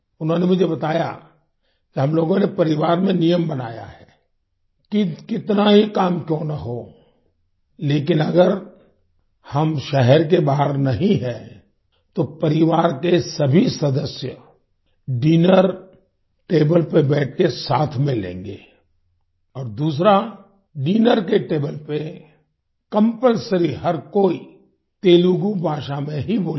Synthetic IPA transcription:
ʊnɦõnemʊd͡ʒʱebɐt̪aːja̰ | kiɦɐmloːɡõnepɐɾɪʋaːɾmẽnijəmbɐnaːja̰ɦɛː | kikɪt̪naɦikaːmkjõːnɐɦoː | leːk̬ɪnɐɡəɾ | hɐmʃɛɦɛɾk̬ebaːɦəɾnɐɦĩɦɛ | t̪opɐɾɪʋaːɾkesɐbʱisɐd̪əsjə | ɖiːnəɾ | ʈeːbəlpebɛːʈ̚ʰkesaːt̪ʰmẽlḛ̃ːŋɡeː | ɔːɾd̪uːs̬ɾa | ɖiːnəɾkeʈeːbəlpe | kɐ̃mpəlsəɾiɦɐɾkoːi | t̪eːluɡubʱaːʃamẽɦiboː

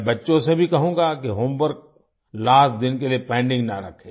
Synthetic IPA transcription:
bɐtːʃõsebʱikɐɦũːŋɡakiɦombəɾɡ̚ | laːsd̪ɪnkeliepɛ̃ːɳɖɪ̃ŋɡnaɾɐkʰːeː

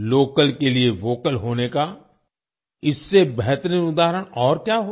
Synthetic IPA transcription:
loːkəlkelieʋoːkəlɦoːneka | ɪsːebɛɦt̪əɾĩnʊd̪aːɦəɾəɽ̃ɔːɾkjaːɦo

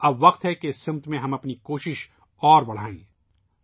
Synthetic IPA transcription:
ɐbʋɐqt̪ɦɛkesːɪ̃mt̪mẽɦɐ̃mɐpnikoːʃɪʃ | ɔːɾbɐɽ̤aːḭ̃ː

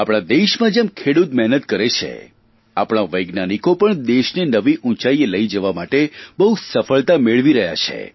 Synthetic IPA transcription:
apɽ̃ad̪eʃmãd͡ʒemkʰeɽut̪mɛɦnət̪kəɾet͡ʃʰḛ | a̰pɽ̃aʋəjɡnanikopəɳd̪eʃnenəʋiʔũt͡ʃaieləid͡ʒəʋamaʈebəɦusəfəɭt̪ameɭʋiɾəɦja̰t͡ʃʰḛ

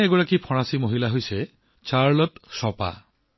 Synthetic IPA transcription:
ɛɡɔɹakipʰɔɹ̃asimoɦilaɦojsɛ | t͡ʃaɹlɔtsɔpa̰

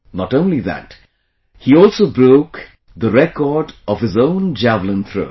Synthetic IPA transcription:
nɔʈõʊ̃nliðæ̰t | hiɔlˠsoʊbɹoʊk | ðəɾɛkɔɖɔv̥hɨzõʊ̃nd͡ʒævl̩ˠə̃nt̪ʰɹo̰ʊ

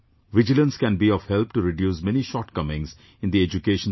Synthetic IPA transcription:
ʋɪd͡ʒɪlə̃nskæ̃nbiɔʋhɛlp̚ʈuɾɪɖjuːsmɛniʃɔːɾʈkʌmɪ̃ŋz | ɪ̃nd̪ied͡ʒukeːʃə̃n

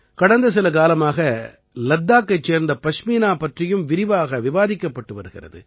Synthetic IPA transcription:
kɐɽɐnd̪ɐs̬ɪlɐk̬aːlɐmaːɣɐ | lɐd̪ːaːkːɐɪt͡ʃːeːɾnd̪ɐpɐʂmiːnaːpɐʈrɪjɯmʋɪɾɪʋaːɣɐʋɪʋaːðɪkːɐpːɐʈːɯʋɐɾɯɣɪ̰rɐ̰ðɯ̰

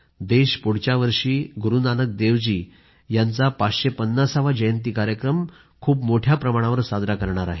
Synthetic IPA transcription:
d̪eɕpuɽ̤t͡ɕjaʋəɾʂiːɡʱuɾunanək̚d̪eʋd͡ʑiː | jant͡sapat͡sɕepənːasaʋad͡ʑəjənt̪̬iːkaɾjəkɾəm | kʰuːpmoʈʰjapɾəmaɽ̃ãʋəɾsad̪ɾakəɾɳaɾa̰ɦe

